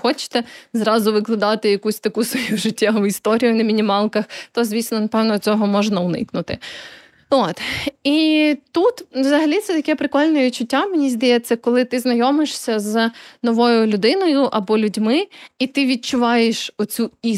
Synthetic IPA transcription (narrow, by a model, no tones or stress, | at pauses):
xɔt͡ʃɪ̥t̪ɛzɾɑzʊʋɪklˠɪd̪ɑt̪ɪjɐkusʲt̪ɐkusʋɔjuʒɪtʲːawist̪ɔɾʲijʊnɐmʲinʲimɑlˠkɐxt̪ɔzʲʋʲisʲnɔnɐpɛwnɔt͡sʲɔɦɔmɔʒnɐʊnɪ̰knʊt̪ɪ | ot̪it̪ut̪wzɐɦɐlʲit̪sɛt̪ɐkɛpɾɪkɔlʲnɔʋʲit͡ʃʊtʲːamʲinʲizʲd̪ɐjɛt̪sɐkɔlˠɪt̪ɪznɐjɔmɪʂsʲɐznɔʋɔjʊlʲʊd̪ɪnɔjʊʔɐbɔlʲʊdʲmɪit̪ɪʋʲid̪̚t͡ʃʊʋɑjeʃɔt͡sʲui